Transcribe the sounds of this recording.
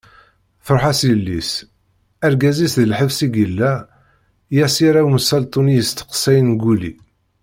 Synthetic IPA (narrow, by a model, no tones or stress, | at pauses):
θəɾˤħasjəlːḭs | æɾɡæzisðəlħəvsiɡəlːæ | jæsiɾæwməsælt̪ˤunijəst̪ə̥qsːæjənɡulḭ